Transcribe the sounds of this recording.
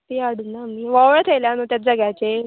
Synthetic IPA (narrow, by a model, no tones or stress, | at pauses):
t̪iaɽunːamiːʋaʋɭt̪ʰeljanot̪jat̪̚d͡zəɡjat͡se